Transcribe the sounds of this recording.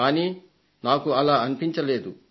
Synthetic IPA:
aːniː | naːkuɐlaːɐnipiɲt͡ʃɐle̞ːd̪u

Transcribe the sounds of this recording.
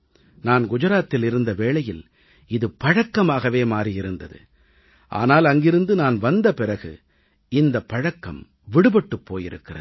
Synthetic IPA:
naːnɡʊd͡ʒɐɾaːt̪ːɪlɪɾɯnd̪ɐʋeːɭɐjɪl | ɪðɯpɐɻɐkːɐmaːɣɐʋeːmaːɾijɪɾɯnd̪ɐðɯ̰ | ʔa̰ːnaːlɐŋɡɪɾɯnd̪ɯnaːnʋɐnd̪ɐpɪrɐɣɯ̰ | ɪnd̪ɐpːɐɻɐkːɐm | ʋɪɽɯbɐʈːɯpːo̰ːjɪ̰ɾɯ̰kːɪrɐð

